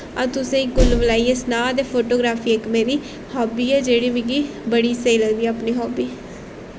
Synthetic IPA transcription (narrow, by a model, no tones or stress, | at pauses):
ãt̪ʊsẽːĩːkʊlʋəlaːieːsnaːt̪eːpʰoːʈoːɡɾaːfʰiːekmeːɾiː | hɔːbiːɛːd͡ʒeːɽiːmɪ̃ɡiː | bəɽiːseiːləɡd̪iːaːpniːɦɔːbiː